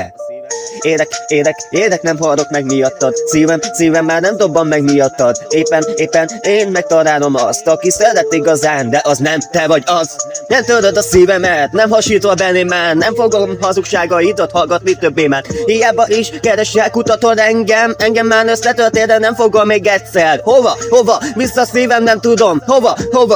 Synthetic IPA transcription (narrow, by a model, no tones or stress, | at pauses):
eːɾɛkeːd̪ɛkeːd̪ɛknɛmɦɒɾo̞kmɛɡmijɒt̪ːɒd̪siːvɛmsiːvɛmːaːrnɛmd̪o̞bːɒmːɛɡmijɒt̪ːɒd̪eːpːɛneːpːɛneːnmɛk̚t̪ɒɾaːlo̞mɒst̪ɒkisɛɾɛt̪ːiɡɒzaːnd̪ɛʔɒznɛmt̪ɛvɒɟɒznɛmt̪ølt̪ød̪ɒsiːvɛmɛlt̪nɛmhɒʃiːt̪ʋɒbɛnːimːaːrnɛmfoɡomɦɒzukʃaːɡɒid̪ɒt̪hɒlɡɒt̪mit̪øbːeːmaːrhijaːbɒʔiʃkɛɾɛʃɛlkut̪ɒt̪o̞nɛŋɡɛmɛŋɡɛmːaːrnø̞sːɛt̪ørt̪eːnɛnɛɱfo̞ɡʋɒmeːɡɛtʲsɛrho̞vɒho̞vɒvisːɒsiːvɛmnɛmt̪ud̪o̞mho̞vɒho̞vɒ